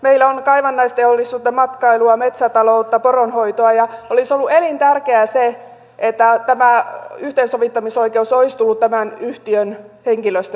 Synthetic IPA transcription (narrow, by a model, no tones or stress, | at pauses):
meilːæonkɑiʋɑnːɑist̪eolːist̪ːuːt̪ːɑmɑt̪kɑiluɑmet̪sæt̪ɑlout̪ːɑporonhoit̪oɑjɑolisolːuelint̪ærkeæse | ʔet̪ːæt̪æmæyht̪eːnsoʋit̪ːɑmiso̞ikeusoist̪ulːut̪t̪æmænyht̪iønheŋkiløst̪æ